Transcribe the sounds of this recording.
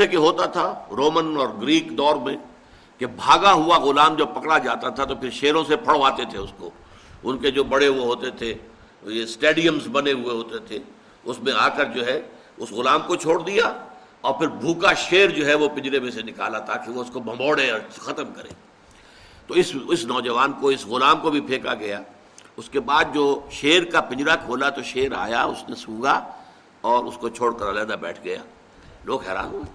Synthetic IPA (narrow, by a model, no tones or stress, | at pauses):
ekeɦoːt̪at̪ʰaɾoːmənɔːɾɡɾiːkd̪ɔːɾmẽ | kebʱaːɡaɦʊaɣʊlaːmd͡ʒɐb̚pɐkɽad͡ʒaːt̪at̪ʰat̪opʰɪɾʃeːɾõsepʰɐɽʋaːt̪et̪ʰeʊsko̰ | ʊnked͡ʒoːbɐɽeɦʊeɦoːt̪et̪ʰe | jesʈeːɖijəmsbɐneɦʊeɦoːt̪et̪ʰe | ʊsmẽaːkəɾd͡ʒoːɦɛ | ʊsɣʊlaːmkot͡ʃʰoːɽd̪ija | ɔːɾpɪɾbʱuːkaʃeːɾd͡ʒoːɦɛʋopɪ̃ɲd͡ʒɾemẽsenɪka̰ːlat̪aːkeʋoʊskobʱɐ̃mbɔːɽeɔːɾxɐt̪əmkɐɾḛː | t̪oːɪsɪsnɔːd͡ʒəʋaːnkoɪsɣʊlaːmkobʱipʰeːka̰ɡɐjaː | ʊskebaːd̪̚d͡ʒoːʃeːɾkapɪ̃ɲd͡ʒɾakʰoːlat̪oʃeːɾa̰ːja̰ʊsnesũːɡa | ɔːɾʊ̰skot͡ʃʰoːɽkɐɾaːlɛːd̪abɛ̰ːʈʰɡɐja̰ː | loːɡɦɛːɾa̰ːnɦʊeː